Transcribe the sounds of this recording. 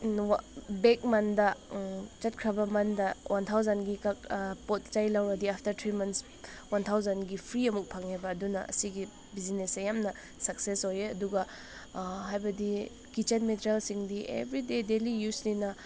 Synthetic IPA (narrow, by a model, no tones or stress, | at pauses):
bek̚mɐndɐt͡ʃɐt̚kʰɾɐbɐmɐndɐwʔant̪ʰawzɐnɡikak̚pot̚t͡ʃajlawɾɐdiapʰtɐɾt̪ʰɾimɐns | want̪ʰawzɐnɡipʰɾiɐmuk̚pʰaŋabɐːdunɐɐ̰siɡi | bizinesejamnɐ | sɐksesojeɐduɡɐ | ɦajbɐdi | kit͡ʃenmetɾelsiŋdiʔḛbɾidedelijuslinɐ